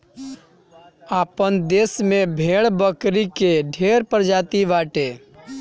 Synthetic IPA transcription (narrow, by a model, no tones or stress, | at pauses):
aːpənd̪eːsmẽbʱeːɭbəkɾikeɖʱeːɾpəɾd͡ʒaːt̪iʋaːʈeː